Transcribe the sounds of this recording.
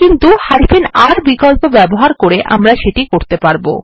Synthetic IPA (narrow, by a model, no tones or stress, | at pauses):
kint̪uhaɾifenaɾbikɔlpobɛboɦaɾkoɾeʔa̰mɾaʃeʈikoɾt̪epaɾbo̰